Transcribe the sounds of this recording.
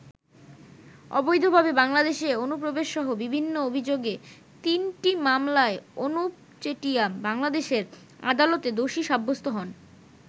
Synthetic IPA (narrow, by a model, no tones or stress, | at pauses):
ɔ̰bojd̪ʱobʱabebaŋlad̪eʃeonup̬ɾobeʃʃɔɦobibʱinːoobʱid͡ʑoɡe | t̪inʈimamlaeonup | t͡ɕeʈiabaŋlad̪eʃeɾ | a̰d̪alot̪ed̪oʃiʃabʱːost̪oɦɔn